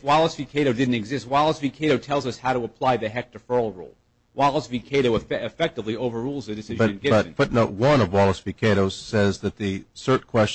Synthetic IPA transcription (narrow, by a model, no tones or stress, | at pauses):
wɑlˠəsvikʰeɪɾoʊdɪdⁿn̩tɨɡzɪst̚wɑlˠəsvikʰeɪɾoʊtʰɛlˠzʌshaʊɾəəpʰl̥aɪðɨɦɛk̚tʰɨfɜ˞l̩ˠɹṵlˠ | wɑlˠəsvikʰeɪɾoʊɨfɨfɛk̚tɨvlioʊvə˞ɹulˠzɨdɨsɪʒbʌɨ̃nɡɪʌtŋfʊtⁿnoʊt̚wʌ̃nʌvwɑlˠəsvikʰeɪɾoʊz̥sɛzðɨt̪̚ðɨsɜ˞t̚kʰw̥ɛs